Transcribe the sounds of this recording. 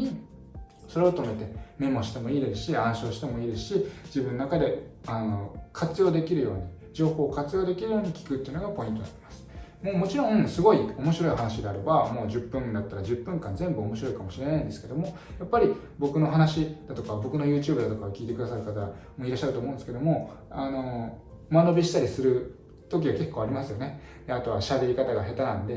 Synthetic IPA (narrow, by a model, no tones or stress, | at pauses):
ɲ̟i | so̞ɾe̞o̞t̪o̞me̞t̪e̞me̞moɕi̥t̪e̞mo̞iːd̪e̞sɨ̥ɕiãɰ̃ɕo̞ːɕi̥t̪e̞mo̞iːd̪e̞sɨ̥ɕid͡ʑibɯ̟̃nonakad̪e̞ano̞kʰat͡sɨjo̞ːd̪e̞kʲiɾɯ̟jo̞ːɲ̟i | d͡ʑo̞ːho̞ːkat͡sɨjo̞ːd̪e̞kʲiɾɯ̟jo̞ːɲ̟ikʲi̥kɯ̟t̪ːeiɯ̟no̞ɡapo̞ĩnt̪o̞na̰ɾʲi̥masɨ̥mo̞ːmo̞t͡ɕiɾõ̞ŋ̃sɨɡo̞io̞mo̞ɕiɾo̞iɦanaɕid̪e̞aɾe̞bamo̞ːʑɨpːɯ̟̃nd̪at̪ːaɾad͡ʑɨpːɯ̟̃ŋkãnzẽ̞mbɯ̟omo̞ɕiɾo̞ikamo̞ɕiɾe̞naĩnd̪esɨ̥ke̞d̪o̞mo̞ | japːaɾʲi | bo̞kɯ̟no̞ɦanaɕid̪̥at̪o̞kabo̞kɯ̟no̞jɯ̟ːt͡ɕɯːbɯ̟d̪at̪o̞kaokʲiːt̪ekɯ̟d̪asaɾɯ̟kat̪aɡamo̞ːiɾaɕːaɾt̪omõːnesɨ̥ke̞d̪o̞mo̞ano̞ | mano̞bʲiɕi̥t̪aɾʲisɨɾɯ̟ | t̪o̞k̬ʲiɡake̞kːoːaɾʲimasɨjo̞ne̞ | d̪eat̪o̞βaɕabe̞ɾʲikat̪aɡaɦe̞t̪anãnd̪e̞